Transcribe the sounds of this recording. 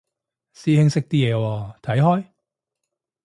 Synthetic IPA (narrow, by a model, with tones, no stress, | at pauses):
siː˥hɪ˥ŋsɪ˥k̚t̪iː˥jɛː˨˧wɔː˧˩t̪ʰɐ˨˥jɦɔː˥j